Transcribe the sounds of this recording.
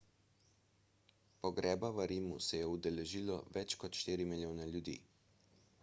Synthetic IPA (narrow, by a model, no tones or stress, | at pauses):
pɔɡɾɛːbaʋəɾiːmusɛjɛud̪ɛlɛʒiːlɔ̰ʋɛt͡ʃkɔt̪ʃt̪iːɾimiljoːnɛljud̪ḭː